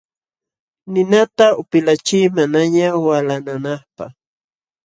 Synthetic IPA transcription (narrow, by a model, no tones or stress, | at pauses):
nɪnat̪aʊpɪlat͡ʃɪjmanaɲawalananɑχpɑ̰χ